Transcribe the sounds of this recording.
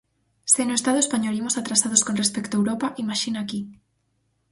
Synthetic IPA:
senoest̪aðʊespaɲolimosat̪ɾasaðoskonrespekt̪oewɾopaʔimaʃinaki

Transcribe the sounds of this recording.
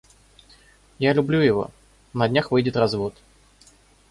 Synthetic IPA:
jalʲʊblʲujɪvo̞̰ | nɐdʲnʲaxvɨjdʲɪt̪rɐzvo̞t̪

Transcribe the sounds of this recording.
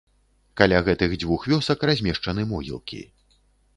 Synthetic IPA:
kalʲaɣɛt̪ɨɣd͡zʲvuxvʲɔsɐkrazʲmʲɛʂt͡ʂɐnɨmɔɣʲḭlˠkʲḭ

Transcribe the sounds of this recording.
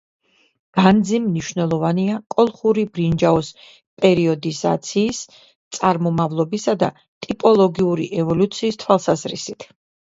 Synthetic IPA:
ɡ̥and̪zimːniʃnɛlˠɔvaniakʼɔlˠχuɾibɾind͡ʒaɔs | pʼɛɾiɔd̪iza̰t̪sʰiːs | t̪sʼaɾmɔmavlˠɔbisad̪a̰ | t̪ʼipʼɔlˠɔɡiuɾiʔɛvɔlut̪sʰiːst̪ʰwalˠsazɾḭsit̪ʰ

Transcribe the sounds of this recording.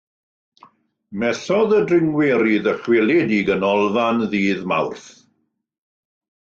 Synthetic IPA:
mɛθɔðədrɪŋwɛɾiðəχwɛlˠɛdiɡənɔlˠvanðiːðma̰wrθ

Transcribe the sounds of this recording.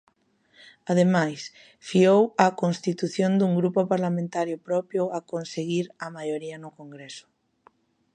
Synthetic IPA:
að̞emajs | fiowɐkonst̪it̪uθjond̪uŋɡɾupopaɾlamẽnt̪aɾjopɾɔpjʊakonseɣiɾɐmajoɾiɐnʊkoŋɡɾesʊ̥

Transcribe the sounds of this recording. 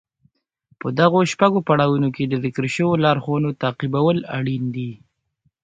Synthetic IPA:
pəd̪aɣoʃpaɡopaɽɑwunoked̪əzɪkɾʃəwolɑɾxonot̪ɑqibawəla̰ɽind̪i

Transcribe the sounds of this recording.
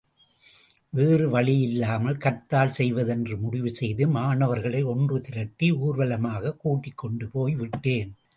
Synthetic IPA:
ʋeːrɯʋɐɭɪjɪlːaːmɐlkɐɾt̪ːaːlsɛjʋɐðɛndrɯmʊɽɪʋɯsɛjðɯmaːɳɐʋɐɾɣɐɭɐɪɔndrɯt̪ɪɾɐʈːiuːɾʋɐlɐmaːɣɐkuːʈːɪkːɔɳɖɯpoːjʋɪʈːeːn

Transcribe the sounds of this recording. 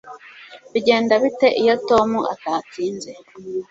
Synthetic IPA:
βiɟe̞ːndaβite̞ʔijo̞to̞muʔa̰taːt͡siːnze̞

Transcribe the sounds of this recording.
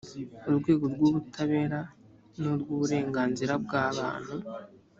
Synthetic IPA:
oɾɡwe̞ːɡo̞ɾɡoːβutʰaβe̞ːɾa | noɾɡuːβuɾe̞ːŋɡaːnziɾab̚ɡaːβa̰ːn̥hu

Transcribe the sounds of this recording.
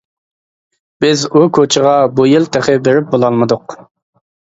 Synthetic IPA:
b̥ɪzukʰot͡ʃʰɪʁɑbujilˠt̪ʰeχɪbeɾɪp̚bolˠɑlˠmɨd̪ʊq

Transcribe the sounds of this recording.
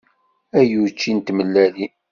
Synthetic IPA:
æjut͡ʃːint̪məlːæli

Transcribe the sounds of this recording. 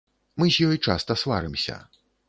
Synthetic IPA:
mɨzʲjɔjt͡ʂa̰st̪ɐsva̰ɾɨmsʲɐ̰

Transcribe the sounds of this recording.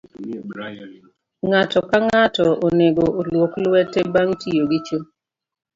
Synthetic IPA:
ŋatɔkaŋatɔʔoneɡoʔolwoklwɛtebaŋtʰijoɡit͡ʃo

